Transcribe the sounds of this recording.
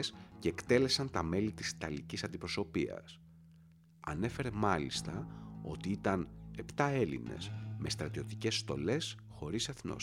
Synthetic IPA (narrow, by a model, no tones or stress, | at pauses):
sceːkt̪e̞le̞sɐnt̪ɐme̞lit̪isi̥t̪ɐlicisɐnd̪ipɾo̞so̞piɐ̰s | ɐ̰ne̞fe̞ɾe̞mɐlist̪ɐo̞̰t̪iit̪ɐne̞pt̪ɐe̞lḭne̞̰sme̞st̪ɾɐt̪io̞t̪ice̞sːt̪o̞̰le̞s | xo̞ɾiseθno̰